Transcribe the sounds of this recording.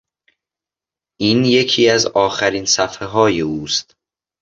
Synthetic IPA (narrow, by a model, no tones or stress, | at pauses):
ʔiːnje̞cʰiːæzɒːxæɾiːnsæfeɦɒːje̞uːst̪